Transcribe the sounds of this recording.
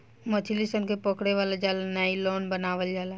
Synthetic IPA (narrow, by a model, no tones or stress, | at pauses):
mət͡ʃʰilisənkepɔkɽeʋaːlad͡ʒalnailoːnbənaːʋəld͡ʒaːla